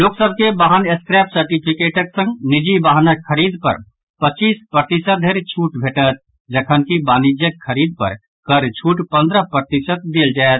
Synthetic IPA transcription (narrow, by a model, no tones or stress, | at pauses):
loːksəb̚ʱkebaɦəneskɾɛpsəɾʈipʰikeʈəksə̃ŋɡnid͡ʒibaɦnaəɾid̪pə̰ɾ | pət͡ʃiːspɾət̪isət̪̚d̪ʱeɾt͡ʃʰuʈbʱeːʈət̪̚ | d͡ʒəkʰənkibanid͡ʒjəkʰːəɾiːd̪̚pə̰ɾ | kəɾt͡ʃʰuʈpə̃nd̪ɾəpɾət̪isət̪̚d̪eːld͡ʒaet̪